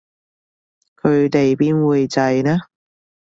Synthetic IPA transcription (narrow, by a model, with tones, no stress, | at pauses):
kʰɵ˨˧ɥt̪e˨jpiː˥nwuː˨˧jt͡sɐ˧jnɛː˥